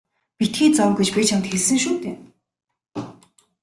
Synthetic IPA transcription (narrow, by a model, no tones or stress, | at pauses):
pit̪̚xiːt͡sɔmɡet͡ɕpʲit͡ɕʰamt̪xeɮsɘ̆ŋʃuːt̪eː